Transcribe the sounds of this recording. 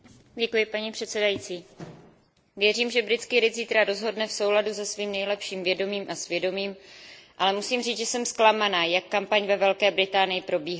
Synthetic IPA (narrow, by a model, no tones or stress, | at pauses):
ɟɛkujɪpaɲipr̝̥ɛt̪sɛdajit͡siː | vjɛriːmʒɛbɾɪt͡skiɾɪziːt̪ɾaɾo̞zɦo̞dnɛfso̞wladuzɛsviːmnɛjlɛpʃiːmvjɛdo̞miːmʔasvjɛdo̞miːmʔalɛmusiːmriːd͡zʒɛsɛmsklamanaːjakːampaɲvɛvɛlkɛːbɾɪt̪aːnɪjɪpɾo̞biːɦa